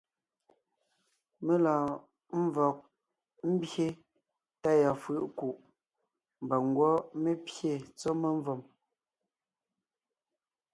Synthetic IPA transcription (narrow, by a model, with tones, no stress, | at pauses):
me˦laː˨ | m̩˦vɔ˨k̚ | m̩˦bje˦ | ta˦˨ja˨fʉ˦˨ʔku˨ʔ | m˨ba˨ŋ˦ɡwɔ˦me˦pje˦˨t͡sɔ˦me˦ɱ˦vɔ˨m